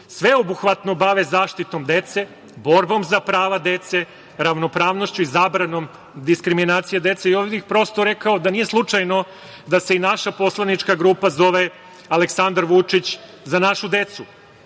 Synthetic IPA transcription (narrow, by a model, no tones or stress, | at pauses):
sʋe̞obuxʋat̪no̞baʋezaːʃt̪it̪o̞md̪e̞t̪se̞ | bo̞ɾbo̞mzapɾaːʋad̪e̞t̪se̞ | ɾaʋno̞pɾaːʋno̞ʃt͡ɕuizaːbɾano̞m | d̪iskɾiminaːt̪sijed̪e̞t̪seioʋixpɾo̞st̪o̞ɾe̞kaod̪anije̞slˠut͡ʂajno̞ | d̪ase̞inaʃapo̞slˠanit͡ʃkaɡɾuːpazo̞ʋe̞ | ale̞ksand̪aɾʋut͡ʂit͡ɕ | zanaʃud̪e̞t̪su